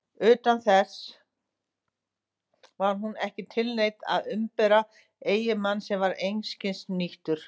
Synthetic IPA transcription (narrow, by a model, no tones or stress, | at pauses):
ʏːt̪anθɛs | vaɾ̥ɦunɛhcɪt̪ʰɪlnejt̪a̰ðʏmpɛɾa | eːjɪmanːsɛmvaɾejnscɪnsniht̪ʏɾ̥